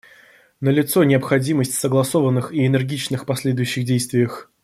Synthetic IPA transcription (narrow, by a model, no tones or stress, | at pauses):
nəlʲɪt̪sonʲɪəpxɐdʲiməsʲtʲsəɡlˠɐso̞vənːɨxiɪnɨrɡʲit͡ɕnɨxpɐsʲlʲed̪ʊjʉɕːɪxdʲejst̪vʲɪjəx